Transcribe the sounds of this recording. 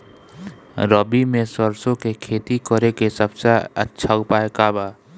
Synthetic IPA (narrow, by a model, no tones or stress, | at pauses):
ɾəbimẽsəɾsõkekʰeːt̪ikəɾekesəbsaə̰tːʃʰaʊpaːekaːbaː